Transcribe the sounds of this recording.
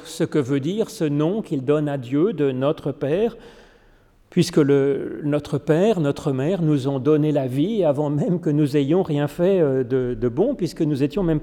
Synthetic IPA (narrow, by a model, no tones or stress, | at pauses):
səkəvød̪iʁsənɔ̃kild̪ɔnad̪jød̪ənɔt̪χəpɛːʁ | pɥiskələnɔt̪χəpɛːʁnɔt̪χəmɛʁnuzɔ̃d̪ɔnelaviavɑ̃mɛmkənuzejɔ̃ʁjɛ̃fɛd̪əd̪əbɔ̃pɥiskənuzet̪jɔ̃mɛm